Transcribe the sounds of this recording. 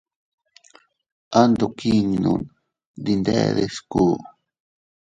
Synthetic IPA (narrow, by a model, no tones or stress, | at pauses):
and̪okiŋnṵn | d̪ind̪ḛðesku